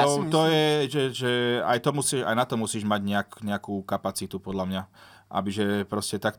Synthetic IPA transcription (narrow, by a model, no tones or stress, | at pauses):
t̪ɔjɛʒɛʒɛa̰jt̪ɔmusiːʃa̰jnat̪ɔmusiːʒmaɟɲɛakɲɛakuːkapat͡sit̪upɔd̪lamɲa | ʔa̰biʒɛpɾɔscɛt̪ak̚t̪